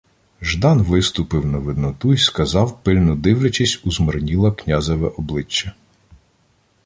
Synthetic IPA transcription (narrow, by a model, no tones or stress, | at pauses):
ʒd̪ɑnʋɪst̪ʊpɪwnɐʋɪd̪nɔt̪uiskɐzɑwpɪlʲnʊd̪ɪwlʲɐt͡ʃisʲuzmɔrnʲilˠɐknʲazɔʋɛʔɔblˠɪt͡ʃːɐ